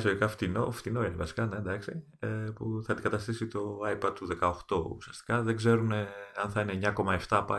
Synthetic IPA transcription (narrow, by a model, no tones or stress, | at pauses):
soðikɐft̪ino̰ft̪inoenvɐsi̥kɐnend̪ɐksi | epuθɐed̪iɡɐt̪ɐst̪isit̪o̞ɐjipɐd̪̚t̪uðe̞kɐoxt̪o̞ṵsiɐst̪i̥kɐðe̞ɡze̞ɾuneɐnθɐineɲːɐko̞mɐe̞ft̪ɐpɐ